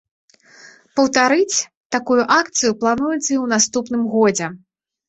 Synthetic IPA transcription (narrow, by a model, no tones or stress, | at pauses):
pɐwt̪aɾɨt͡sʲ | t̪akujuʔak̚t̪sɨjuplˠanujɛt̪sɐiwn̪ast̪upnɨmɣɔd͡zʲɛ